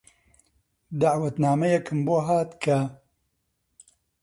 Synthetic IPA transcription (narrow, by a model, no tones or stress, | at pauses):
d̪aʕwɐt̪naːmɐjɛkʰɨmboːɦaːt̪kʰɐ